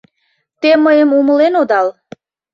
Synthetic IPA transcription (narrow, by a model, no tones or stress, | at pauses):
t̪eməjəmuməlenod̪ɑl